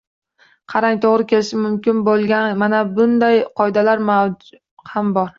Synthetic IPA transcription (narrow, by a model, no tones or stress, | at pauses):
qʰɑɾaŋʲt̪ʰoʁɾɪkʲʰe̞lɪʃɪmʊmkʲɪnbolˠɡʲanmanabʊnd̪ajqʰɒjd̪alaɾmawd͡ʒ | hambɒɾ